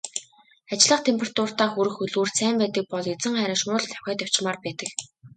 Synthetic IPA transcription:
at͡ɕɮə̆χt̪ʰempʲʰerḁt̪ʰʊr̥t̪aːxuɾɘ̆xɵɮuːrsʰæːmpæːt̪ə̆k̚pɔɮet͡sɘ̆ŋχæɾʲɪ̆ŋʃʊːɮt̪ʰœ̥wxʲæːt̪jaw̥t͡ɕmaːrpæːt̪ə̆k

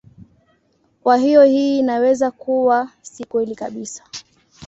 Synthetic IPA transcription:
kwaɦijɔhiːnawɛzakuwasikuɛlikaɓisḁ

